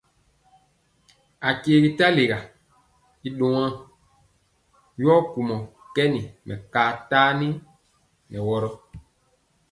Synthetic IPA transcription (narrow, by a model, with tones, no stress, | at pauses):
a˨ke˨˦ɡi˦ta˦le˨ɣa˨ | i˨ɗõ˨ã˦ŋ | jɔ˦ku˨mɔ˨ | kɛ˦ni˨mɛ˨kaː˨taː˦ni˦ | nɛ˨wɔ˦ɾɔ˦